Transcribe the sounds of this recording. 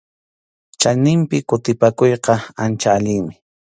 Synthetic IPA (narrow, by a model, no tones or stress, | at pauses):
t͡ʃajnɪmpɪkʊt̪ɪpakojqɑant͡ʃaːʎɪŋmɪ